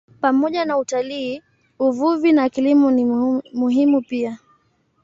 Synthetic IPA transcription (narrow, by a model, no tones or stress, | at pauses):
pamɔʄanautaliː | uvuvinakilimunimuɦimupia